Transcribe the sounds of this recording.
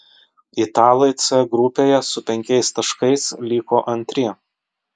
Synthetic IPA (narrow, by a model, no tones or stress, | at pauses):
it̪ɑːlˠɐɪt̪sʲɛɡɾʊpʲeːjɛsʊpʲɛŋʲkʲɛɪst̪ɐʃkɐɪslʲiːkoːʔɐnʲt̪ʲɾʲiɛ